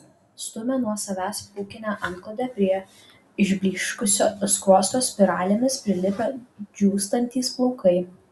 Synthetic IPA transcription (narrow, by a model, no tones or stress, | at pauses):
st̪ʊmʲɛnuɔsɐʋʲæːspuːkʲɪnʲæʔɐnklˠod̪ʲɛpʲɾʲiɛ | ɪʒʲbʲlʲiːʃkʊsʲoːskoːst̪oːsʲpʲɪɾɑːlʲemʲɪspʲɾʲɪlʲɪpʲɛd͡ʒʲuːst̪ɐnʲt̪ʲiːsplˠɔʊkɐɪ